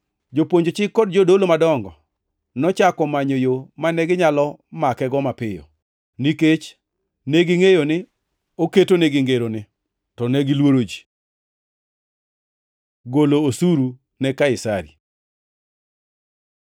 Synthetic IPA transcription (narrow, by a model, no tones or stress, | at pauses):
d͡ʒopoɲd͡ʒot͡ʃɪkːɔdd͡ʒodolomadɔŋɡɔ | nɔt͡ʃakɔmaɲojomanɛɡɪɲalɔmakɛɡɔmapɪjɔ̰ | niket͡ʃ | neɡɪŋejonɪ | oketoneɡɪŋɡeɾonɪ | tɔnɛɡilwoɾod͡ʒi̥ | ɡoloːsuɾu | nɛkaɪsaɾḭ